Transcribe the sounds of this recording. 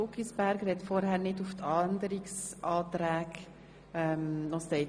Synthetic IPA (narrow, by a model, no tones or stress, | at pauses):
ʊkisb̥æɾɡɾɛtfɔɾhæɾnɪduftʰɑndəɾiksʔɑːt̪ɾæːk | ɛmɔsɛ